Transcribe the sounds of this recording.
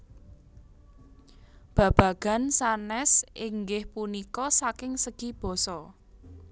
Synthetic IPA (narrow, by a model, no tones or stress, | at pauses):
b̥ä̤b̥ä̤ɡ̥ä̤nsanɛsiŋɡɪhpunikɔsakɪŋsəɡ̥ib̥ɔ̤sɔ